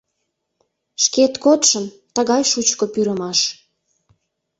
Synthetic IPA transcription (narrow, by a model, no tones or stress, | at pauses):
ʃket̪kot̪ʃən | t̪əɣɑjʃut͡ɕkopyɾəmɑʃ